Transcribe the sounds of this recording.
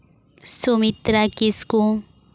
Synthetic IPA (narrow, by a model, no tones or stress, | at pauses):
somit̪ɾakisku